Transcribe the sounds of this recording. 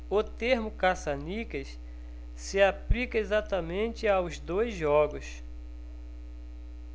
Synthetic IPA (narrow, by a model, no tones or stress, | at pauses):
ʊt̪eɾmʊkasanikɐs | sɪaplikɐezat̪ɐmẽnt͡ʃ̪ɪawzd̪ojzʒɔɡʊs